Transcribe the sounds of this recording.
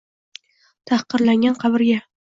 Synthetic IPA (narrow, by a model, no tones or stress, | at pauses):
t̪ʰahqɨɾlaŋɡʲanqʰɑbɪɾɡʲa